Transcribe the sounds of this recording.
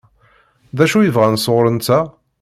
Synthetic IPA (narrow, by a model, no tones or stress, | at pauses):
ðæʃujəvʁænsoʁɾənt͡sːæ